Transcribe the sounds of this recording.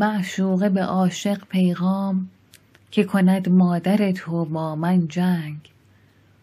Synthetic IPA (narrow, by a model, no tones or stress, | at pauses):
mæʔʃuːɣebeʔɒːʃe̞ɢpʰe̞jɣɒːm | cʰe̞kʰo̞næd̪mɒːd̪æɾet̪ʰobɒːmænd͡ʒæŋɡ